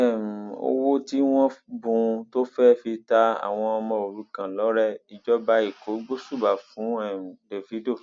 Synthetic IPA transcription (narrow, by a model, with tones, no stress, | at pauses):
ɛ˨m̩˨o̰˧wo˦ti˦w̃ɔ̃˦bũ˧to˦fɛ˦fi˧ta˦a̰˨w̃ɔ̃˧ɔ˧mɔ̃˧o˨ɾu˨˦kã˦˨lɔ˨˦ɾɛ˦˨i˨d͡ʒɔ˦ba˦i˨ko˨˦ɡ͡bo˦su˦˨ba˨fũ˨˦ɛ˨m̩˨de˨fi˨˦do˦˨